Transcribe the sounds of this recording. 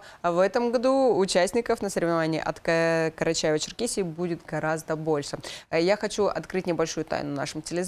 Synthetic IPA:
vɛt̪əmɡɐd̪uʊt͡ɕæsʲtʲnʲɪkəfnəsəɾʲɪvnɐvanʲɪjə̰ʔɐt̪kkəɾɐt͡ɕajɪvət͡ɕɪrkʲisʲɪbudʲɪt̪ɡɐɾazd̪əbo̞lʲʂɨjaxɐt͡ɕuʔɐ̰t̪kɾɨtʲnʲɪbɐlʲʂujʊt̪a̰jnʊna̰ʂɨmtʲɪlʲɪz

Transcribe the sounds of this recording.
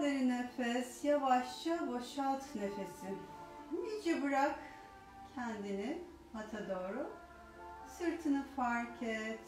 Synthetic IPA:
d̪eɾinefɛsjavaʃt͡ʃʰabo̞ʃat̪ne̞fesɪmid͡ʒibɯɾak | cʰɛnd̪inin | hat̪ʰad̪o̞ːɾʊ | sɯɾt̪ʰɯnɯfaɾcʰɛt̪

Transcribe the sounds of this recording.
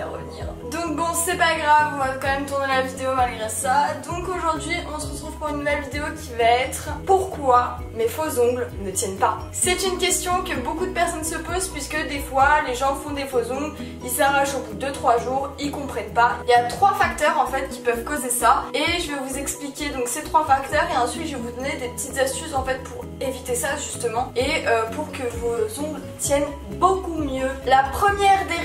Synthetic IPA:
a̰ʁə̰vnḭːʁd̪ɔ̃k̚bɔ̃sɛpaɡʁavɔ̃vakɑ̃mɛmt̪uʁnelavid̪eomalɡʁesad̪ɔ̃koʒuʁd̪ɥiʔɔ̃səʁət̪χuv̥puʁynːuvɛlvid̪eokʲʰivaɛt̪χpuʁkwa | mefozɔ̃ɡlnət̪jɛnpa | sɛt̪ynkʲɛst̪jɔ̃kəbokud̪əpɛʁsɔnsəpozpɥiskəd̪efwaleʒɑ̃fɔ̃d̪efozɔ̃ɡl | ilsaʁaʃobud̪d̪ət̪χwaʒuːʁilkɔ̃pχɛnpailjat̪χwafak̚t̪œʁɑ̃fɛt̪kʲi̥pœvkozesaeʒəvɛvuzɛksplikʲed̪ɔ̃kset̪χwafakt̪œʁeɑ̃sɥit̪ʒəvɛvud̪ɔned̪epə̥t̪it̪zast̪ysɑ̃fɛt̪̚puʁ | evit̪esaʒyst̪əmɑ̃eøpuʁkəvozɔ̃bl | t̪jɛn | bokumjølapχəmjɛʁd̪e

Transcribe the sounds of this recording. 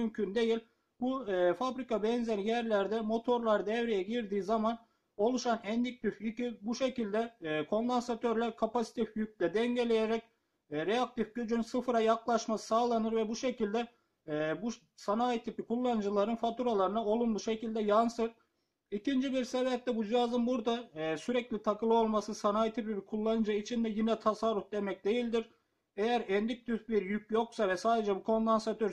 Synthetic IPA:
ymcʰynd̪e̞jilʲ | bufabɾikabɛnzɛnijæɾlʲæɾd̪ɛmo̞t̪ʰo̞ɾlˠaɾd̪ɛvɾijɛɟiɾd̪iːzaman | o̞lˠuʃanɛnd̪ic̚t̪yficibuʃecilʲd̪ɛkʰo̞nd̪ansat̪ʰøɾlʲæɾkʰapasi̥t̪ʰifjyk̚ʲlʲɛd̪ɛŋɟelʲejɛɾɛc̚ | ɾeak̚t̪ifɟød͡ʒynsɯfɯɾajaklˠaʃmasɯ̥saːlˠanɯɾvɛbuʃe̞cilʲd̪ɛ | buʃ | sanaːjit̪ʰipikʰulˠːanɯd͡ʒɯlˠaɾɯnfat̪uɾalˠaɾɯnao̞lˠunbˠuʃecʰilʲd̪ɛjansɯɾ | icʰind͡ʒibiɾseβɛp̚t̪ɛbud͡ʒiazɯnbuɾd̪asyɾɛclʲit̪ʰakɯlˠɯo̞lˠmasɯsanaːjit̪ʰipibikʰulˠːanɯd͡ʒɯit͡ʃʰind̪ɛjinɛt̪ʰasarːufd̪emɛc̚d̪e̞jilʲd̪iɾ | ejæɾɛnd̪ic̚t̪ʰyzbiɾjyc̚jo̞ksavɛsaːd̪e̞d͡ʒɛbukʰo̞nlˠansat̪ʰøɾ

